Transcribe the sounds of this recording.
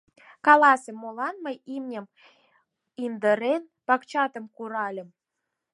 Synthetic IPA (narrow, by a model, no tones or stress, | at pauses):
kɑlɑsemːolɑnməjimnʲəm | ind̪əɾen | pɑkt͡ɕɑt̪ə̆mkuɾɑlʲə̆m